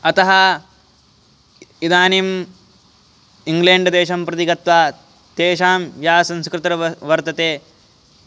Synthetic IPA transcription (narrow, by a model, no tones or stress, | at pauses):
ɐt̪ɐɦɐ | id̪aːnim | iŋɡleːɳɖd̪eːʃɐmpɾɐt̪iɡɐt̪ʋaː | t̪eːʃaːmʋjaːsɐ̃nskɾɪt̪ɾɐʋɐɾt̪ɐt̪eː